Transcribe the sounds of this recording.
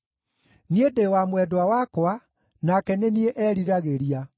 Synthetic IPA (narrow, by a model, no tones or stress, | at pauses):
niedewamwɛdoawakoa | nakɛnenieʔɛɾiɾaɣeɾia